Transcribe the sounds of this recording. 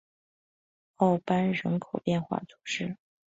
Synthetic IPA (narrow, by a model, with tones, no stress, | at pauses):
ɑ˥˩ʊpa˥nɻə˧˥nkʰo˨˩ʊpjɛ˥˧nxwa̰˥˩t͡sʰu̥˧˩ʂɻ̩˥˩